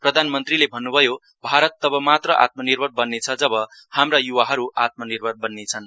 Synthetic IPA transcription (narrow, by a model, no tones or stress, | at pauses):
prʌd̪ʱanmʌnt̪rilebʱʌnːubʱʌjo | bʱaɾʌt̪ːʌbʌmat̪rʌʔa̰t̪̚mʌnirbʱʌnbʌnːet͡sʰʌd͡zʌbʌ | hamrajuwaɦʌɾuʔat̪̚mʌnirbʱʌnbʌnːet͡sʰʌn